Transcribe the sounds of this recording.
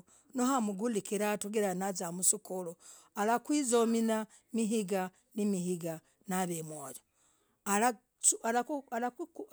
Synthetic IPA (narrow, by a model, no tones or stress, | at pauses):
noɦamuɡulikiɾatuɡiɾanazamusukulualakwizomina | miɦiɡa | nimihiɡa | naβemwojo | ala | ualaualakk